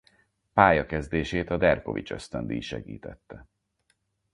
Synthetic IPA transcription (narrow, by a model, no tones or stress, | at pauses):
paːjɒkɛzd̪eːʃeːt̪ɒd̪ɛrko̞̰vit͡ʃø̞st̪ønd̪iʃɛɡḭːt̪ɛt̪ːɛ